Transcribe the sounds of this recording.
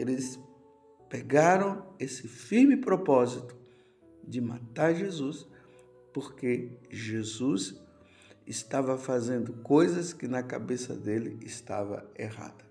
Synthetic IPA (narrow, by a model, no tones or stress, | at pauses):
elɪs | peɡaɾɐ̃w̃esɪfiɾmɪpɾopɔzit̪ʊ̥ | d͡ʒ̪ɪma̰t̪aɾʒezus | poɾkeʒezus | ɪst̪avɐfazẽnd̪ʊkojzɐskɪnɐka̰besɐ̰d̪elɪ̰ːst̪a̰vɐ̰eha̰d̪̥ɐ